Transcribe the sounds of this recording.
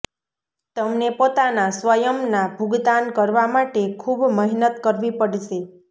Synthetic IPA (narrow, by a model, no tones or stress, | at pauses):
t̪əmnepot̪anasʋəjəmnabʱuɡd̪ankəɾʋamaʈekʰubməɦinət̪kəɾʋipəɽʃe